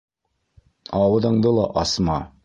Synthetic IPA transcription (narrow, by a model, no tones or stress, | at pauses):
ɑwɤ̆ðɤ̆ɴd̪ɤlˠɑʔɑsmɑ